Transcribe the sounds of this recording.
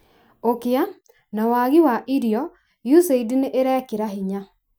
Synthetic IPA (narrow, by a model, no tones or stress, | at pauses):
okea | nawaɣiwaʔiɾjɔ | juseidineʔeɾɛkeɾaɦiɲa